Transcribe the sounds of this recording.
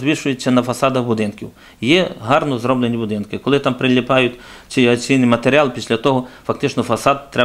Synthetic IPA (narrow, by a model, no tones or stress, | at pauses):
zʲʋʲiʃʊjet͡sʲːɐnɐfɐsɑd̪ɐxbʊd̪ɪnkʲiw | jɛɦɑrnɔzɾɔblenʲibʊd̪ɪnkɪkɔlˠɪt̪ɑmpɾɪlʲɪpɑjʊtʲt͡s̪ʲijɐt͡sʲijnɪjmɐt̪eɾʲɪɑlˠpʲisʲlʲɐt̪ɔɦɔfɐkt̪ɪt͡ʃnɔfɐsɑd̪t̪ːɾɛ